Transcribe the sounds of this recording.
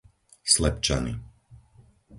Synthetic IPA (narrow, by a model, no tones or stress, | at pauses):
slɛpt͡ʃa̰nḭ